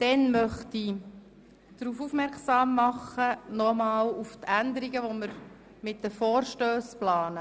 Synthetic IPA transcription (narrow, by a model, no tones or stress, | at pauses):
d̪̥ɛnmœχt̪i | d̥ɾuːfufmɛɾksɑːmːɑχənɔmɑːluft̪ænd̪əɾiɡəʋɔməɾ | mɪtdəfɔːɾʃtøːsplɑːnə